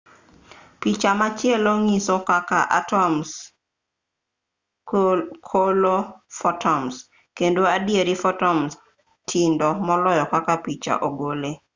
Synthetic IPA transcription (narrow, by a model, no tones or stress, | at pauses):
pit͡ʃamat͡ʃɪɛloŋisɔkaka̰ʔa̰tɔms | kʰolofɔtʰɔms | kendoadjeɾifɔtɔms | tʰindɔmɔlɔjɔkakapit͡ʃa̰ʔoɡole